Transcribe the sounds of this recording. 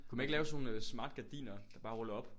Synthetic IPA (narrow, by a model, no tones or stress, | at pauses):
kʰumæneɡəlɛːʊsno̝ːnøsmɑ̈ːd̥̚ɡ̥æd̥ḭːnɐd̥ɑ̈b̥ɑ̈ːʁɔlɐɒ̽b̥